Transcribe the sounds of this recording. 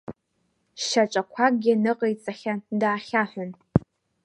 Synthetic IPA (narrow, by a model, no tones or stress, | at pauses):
ʃɐt͡ʃʼɐkʷʰaːɡʲɪnɨqʼejt͡sʼɐχʲɐdaːχʲaːħʷʊn